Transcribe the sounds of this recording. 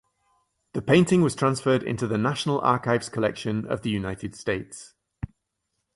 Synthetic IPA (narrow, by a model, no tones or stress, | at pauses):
ðəpʰẽɪ̃ntɪ̃ŋwɒz̥tʰɹ̥ãnsfɜːdɪ̰̃ntuðənaʃənəlʔɑ̰ˑkaɪvz̥kʰəlɛ̰kʃə̃nə̰vðəjʉnaɪtʰɪd̥steɪts